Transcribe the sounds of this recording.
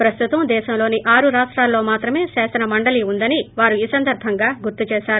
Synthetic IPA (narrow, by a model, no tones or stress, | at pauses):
pɾɐst̪ut̪ɐmd̪ɛːʃɐmlo̞ːniʔaːɾuɾaːʂʈɾaːlːo̞ːmaːt̪ɾɐme̞ːʃɛːsɐnɐmɐɳɖɐliund̪ɐniʋaːɾuiːsɐnd̪ɐɾbʱɐŋɡaːɡuɾt̪ut͡ʃɛːʃaːɾu